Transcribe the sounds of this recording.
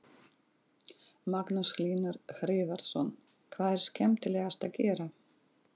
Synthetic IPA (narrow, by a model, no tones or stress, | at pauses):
maknʏskliːnʏɾxɾɪːvaɾt̪sɔn | kʰvaːðɛɾ̥scɛmt̪ɪlɛːɣast̪acɛːɾa